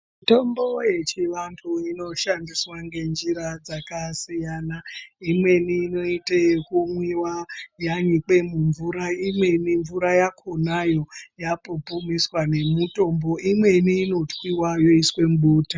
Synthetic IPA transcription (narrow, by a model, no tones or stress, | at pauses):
mito̞mbo̞je̞t͡ʃiʋantʰuino̞ʃandiswaŋɡe̞nd͡ʒiɾad͡zakasijanaimwe̞niːno̞itekumwiwajaɲik͡pe̞muɱvuɾaimwe̞niɱvuɾajakʰonajo̞japopumiswane̞muto̞mbo̞ʔimwe̞niːno̞twiwajo̞iswe̞mɓuːta